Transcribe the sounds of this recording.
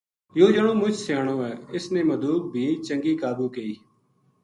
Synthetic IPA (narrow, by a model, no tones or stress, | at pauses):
joːd͡ʒnõːmʊt͡ʃʰsjaːɽ̃õːɛːɪsnẽːməd̪uːk̚bʱiːt͡ʃəŋɡiːkaːbuːkeiː